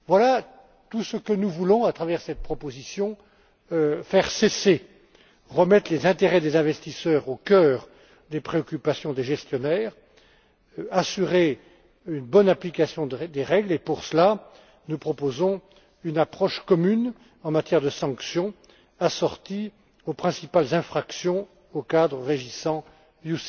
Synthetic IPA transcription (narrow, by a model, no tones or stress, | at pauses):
vwala | t̪usəkənuvulɔ̃at̪χavɛʁsɛt̪̚pχɔpozisjɔ̃ | fɛʁsese | ʁəmɛt̪χlezɛ̃t̪eʁɛd̪ezɛ̃vɛst̪isœʁokʲœːʁ | d̪epχeɔkʲypasjɔ̃d̪eʒɛst̪jɔnɛːʁ | asyʁe | ynbɔnaplikasjɔ̃d̪d̪eʁɛɡlepuʁsəla | nupχɔpozɔ̃ | ynapχɔʃkɔmyn | ɑ̃mat̪jɛʁd̪əsɑ̃ksjɔ̃ | asɔʁt̪i | opχɛ̃sipalzɛ̃fχaksjɔ̃ | okad̪ʁəʁeʒisɑ̃ | jus